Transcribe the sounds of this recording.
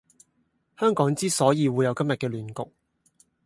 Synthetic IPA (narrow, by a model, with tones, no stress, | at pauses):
hœː˥ŋkɔː˨˥ŋt͡siː˥sɔː˨˥jiː˨˧wuː˨˧jɐ˨˧wkɐ˥mjɐ˨t̚kɛː˧lyː˨nkʊ̰˨k̚